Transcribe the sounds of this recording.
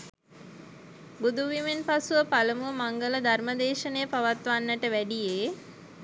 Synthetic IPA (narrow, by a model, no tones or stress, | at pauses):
bud̪uʋimenpasuʋəpaləmuəmaŋɡələd̪ʱarməd̪eːʃənejːpaʋat̪ʋanːəʈəʋæɖijeː